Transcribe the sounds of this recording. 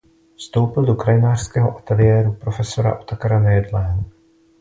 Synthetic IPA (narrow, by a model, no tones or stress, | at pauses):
fst̪o̞wpɪldo̞kɾajɪnaːr̥skɛːɦoʔat̪ɛlɪjɛːɾupɾo̞fɛso̞ɾa̰ʔot̪akaɾanɛjɛd̪lɛːɦo